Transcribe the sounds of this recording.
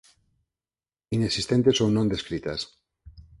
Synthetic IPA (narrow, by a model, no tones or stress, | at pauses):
inesist̪ent̪esownõnd̪eskɾit̪as